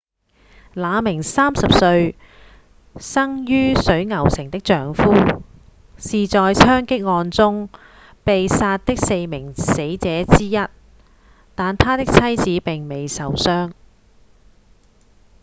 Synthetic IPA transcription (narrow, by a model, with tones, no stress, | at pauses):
laː˨˧mɪ˨˩ŋsaː˥msɐ˨p̚sɵ˧ɥ | sɐ˥ŋjyː˥sɵ˨˥ɥŋɐ˨˩wsɪ˨˩ŋt̪ɪ˥k̚t͡ʃœː˨ŋfuː˥ | siː˨t͡sɔː˨jsʰœː˥ŋkɪ˥k̚ŋɔː˧nt͡sʊ˥ŋ | pe˨jsaː˧t̚t̪ɪ˥k̚se˧jmɪ˨˩ŋse˨˥jt͡sɛː˨˥t͡siː˥jɐ˥t̚ | t̪aː˨nt̪ʰaː˥t̪ɪ˥k̚t͡sʰɐ˥jt͡siː˨˥pɪ˨ŋme˨jsɐ˨wsœː˥ŋ